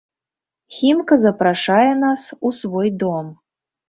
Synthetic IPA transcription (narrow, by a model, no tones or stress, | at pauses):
xʲimkɐzɐpɾaʂajɛn̪asusvɔjd̪ɔm